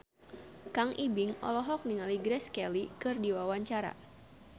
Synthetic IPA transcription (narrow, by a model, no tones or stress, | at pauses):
kaŋʔibɪŋɔ̰lɔɦɔk̚niŋaliɡɾɛskɛlikɨrdiwawaɲt͡ʃaɾa̰